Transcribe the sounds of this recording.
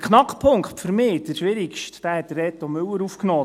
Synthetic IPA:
kʰχnɑkχpʰʊŋkχtfəɾmɪːdəʃʋɪɾikʃtd̥æhɛt̪̚ːərɛt̪ɔmʏwəɾufknɔː

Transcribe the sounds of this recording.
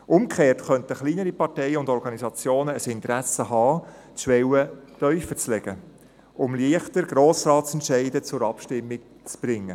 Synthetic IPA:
ʔʊmkʰχeːrtχœntəχliːnəɾipɑɾtɛɪəʊndɔɾɡɑnizɑt͡sjoːnəəsɪntəɾæsəɦɑː | t͡sʃʋɛwətœʏfət͡slɛɡ̥ə | ʔʊmliəχtəɾɡ̥ɾoːsɾɑːtt͡sɛntʃɛɪdət͡sʊɾɑpʃtɪmːɪk̚ | t͡sb̥ɾɪŋːə

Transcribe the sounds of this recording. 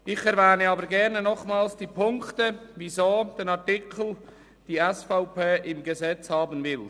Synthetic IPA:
ʔɪçɛɾvɛːnəɑːbəɾɡɛʁnənɔχmaːlsd̥iːpʰʊŋktəvizoːd̥eːnɑʁtɪkʰl̩ | d̥iːɛsfaʊpeːʔɪmɡəzɛt͡shɑːbənvɪl

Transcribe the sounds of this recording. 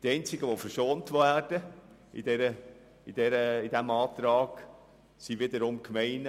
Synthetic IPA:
d̥iɛɪnt͡sɪɡəʋofəɾʃoːntʋæːrd̥ə | ḭdɛɾə | id̥ɛɾəɪd̥æmɑːtɾɑːɡ̥ | siʋɪd̪əɾʊmkmɛɪn

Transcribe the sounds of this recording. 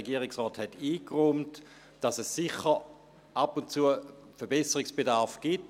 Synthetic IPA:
eɡiəʁɪksʁɔːthɛtiːkʁumt | d̥ɑsɛsːiχə | ʔapʊnt͡suə | fɛɐbɛsəʁiksb̥edaʁfɡ̥it

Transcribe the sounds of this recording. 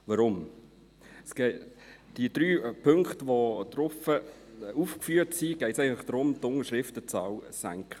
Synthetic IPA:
ʋɑɾʊm | sɡ̥ed̥iəd̥ɾyːpʰɵŋkχtʋod̪̥ɾʊfəufkfyːətsiɡ̥ɛɪtsɛɪɡənflɪχd̥̪ɾʊmtʊŋəʃʁɪftət͡sɑːwsæ̰ŋkχə

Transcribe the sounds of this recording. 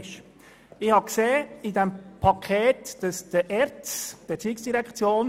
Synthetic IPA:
ʃ | ɪhɑkseːidɛmpʰɑkʰχeːtd̥ɑsd̥əʔɛɾtsd̥ətiːksd̥iɾɛkχt͡sjoːn

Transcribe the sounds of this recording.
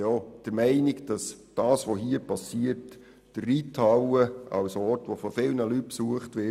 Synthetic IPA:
jod̥əɾmɛɪnɪɡd̥ɑsd̥ɑːsʋoɦiːəɾpɑsiəɾt | d̥ərːitʰɑwəɑ̰wsɔːrtʋofɔfɪlnəlyt̚psuəχtʋɪ

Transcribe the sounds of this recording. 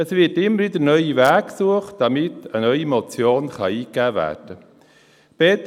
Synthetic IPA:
əsʋɪɾtɪmːəɾʋɪd̪ənœʏivæːkksuəχtd̥ɑmɪtənœʏimot͡sjoːnχɑiːkːæːvæ̰ːrd̥ə | b̥ɛt̪

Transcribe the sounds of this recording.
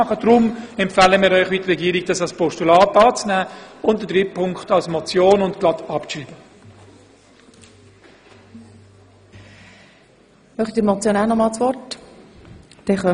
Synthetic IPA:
ɑχəd̥ɾʊmɛmpfæːləmiːɾœʏχʋitəɾɛɡiːɾiɡ̚d̥ɑsɑlspʰɔʃtulɑːtɑːt͡snæːʊntdətɾɪp̚pʰːʊŋkχtɑlsmɔt͡sjoːnʊntklɑtʰɑpt͡ʃriːbə | mœχt̪itːɾmɔt͡sjoːnæːnɔmɑːlsʋɔrt | d̥ɛχœ

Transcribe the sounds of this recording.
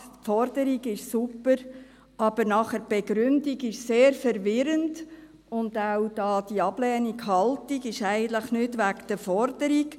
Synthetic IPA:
fɔɾd̥əɾiɡɪʃsupːəɾ | ɑb̥əɾnɑχəɾb̥eɡɾʏndiɡɪʃseːɾfəɾʋɪɾənd | ʊnd̥awd̥ɑːd̥iɑb̥lɛːnikhɑltiɡɪʃæɪɡənt̪ləχnʏdʋækd̥əfɔɾd̥əɾik

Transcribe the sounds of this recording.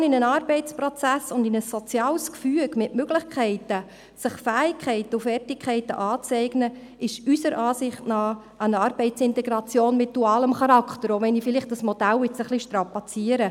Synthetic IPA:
nɪnənɑːrbɛɪtt͡sprɔt͡sæsʊndɪnəsːot͡sjɑːlskfyəɡmɪʔmøɡ̥lɪχkχɛɪtə | sɪχfæːɪkʰχɛɪtəufɛrtɪkʰχɛɪtə̰ʔɑːt͡sɛɪɡnə | ɪʃysəɾʔɑːsɪχtnɑː | ənɑrb̥ɛɪtsɪntɛɡɾɑt͡sjoːnmɪt̚d̥uɑːləmχɑɾɑkχtəɾoʋɛnifɪlɪχt̚d̥ɑsmɔd̥ælɪt͡səχliʃtɾɑpɑt͡siəɾə

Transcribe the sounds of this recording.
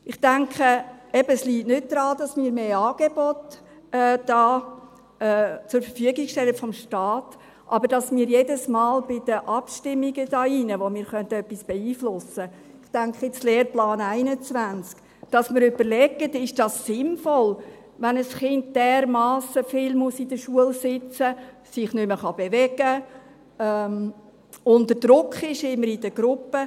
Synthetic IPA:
ɪχtæŋkχəɛb̥əsliːtnʏt̚d̥ɾɑːd̥ɑsmiːɾmeːɑːɡ̥eb̥ɔt | ɛd̥ɑː | t͡sʊɾfəɾfyəɡiɡʃtɛlətfɔmʃtɑːt | ʔɑbəɾd̥ɑsmiːɾjedəsmɑːlb̥ɪdəʔɑpʃtɪmːiɡəd̥ɑːinəʋomiːɾχœntəœpːisb̥eiːflʊsə | ɪχtæŋkχəɪt͡sleːɾplɑːnæɪnət͡sʋænt͡sk | d̥ɑsməɾʏbəɾlɛɡətɪʃd̥ɑsːɪnfɔl | ʋænəsχɪnd̚d̥ɛːɾmɑːsəfɪlmuəsid̥əʃuəlsɪt͡sə | sɪχnʏməχɑb̥evɛɡə | ɛm | ʊntdəd̥ɾʊkχɪʃɪmːəɾidəɡ̥ɾʊpːə

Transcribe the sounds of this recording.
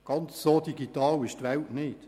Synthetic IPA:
ɡ̥ɑnt͡ssoːd̥iɡit̪ɑːlɪʃtʋɛltnɪt

